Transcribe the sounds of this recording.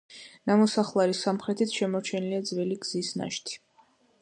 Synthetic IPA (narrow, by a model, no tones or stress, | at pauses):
namɔsaχlˠaɾisamχɾɛt̪ʰit̪sʃɛmɔɾt͡ʃʰɛniliad̪zviliɡz̥isna̰ʃt̪ʰi̥